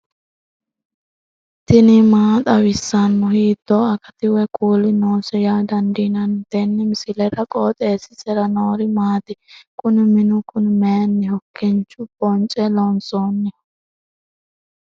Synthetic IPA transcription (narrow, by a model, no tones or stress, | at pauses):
t̪ɪnɪmaːt̪ʼɐwɪsːɐnːʊhiːd̪̥ːoːɐkʼɐt̪ɪwɛkʼuːlɪnoːsɛjaːd̪ɐnd̪inɐnd̪̥ɛnːɪmɪsɪlɛɾɐkʼoːt̪ʼeːsɪsɛɾɐnoːɾɪmaːt̪ɪkʼʊnɪmɪnʊkʊnmeːnːɪhɔkːɪnt͡ʃːʊb̥ɔnt͡ʃʼɛlɔnsoːnːɪ